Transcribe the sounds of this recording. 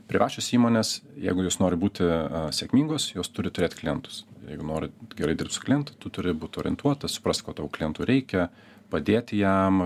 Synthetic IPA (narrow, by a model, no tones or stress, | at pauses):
pʲɾʲɪʋɑːʃʲoːsiːmoːnʲesjɛ̰ɪɡʊjoːsnoːɾʲɪbuːt̪ʲɪsʲɛkmʲiːŋɡoːsjoːst̪ʊɾʲɪt̪ʊɾʲeːt̪ʲklʲɪjɛnt̪ʊ̥sjɛ̰ɪɡʊnoːɾʲɪɡʲɛɾɐɪd̪ʲɪrpt̪sʊ̥klʲɪjɛnt̪ʊ̥t̪ʊt̪ʊɾʲɪbuːt̪ʲoːɾʲɪ̰nt̪ʰuɔt̪ɐsʊ̥pɾɐst̪ʲkoːt̪ɑʋklʲɪjɛnt̪uːɾʲɛɪkʲɛ | pɐd̪ʲeːt̪ʲɪjɛm